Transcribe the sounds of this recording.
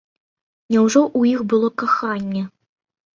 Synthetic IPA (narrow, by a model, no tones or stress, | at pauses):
nʲɛwʐɔʔujixbɨlˠɔkaxanʲːɛ